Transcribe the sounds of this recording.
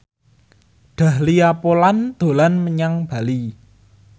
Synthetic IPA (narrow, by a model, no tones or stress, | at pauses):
ɖ̪̥ä̤hliapoland̪̥o̤lanməɲaŋb̥a̤li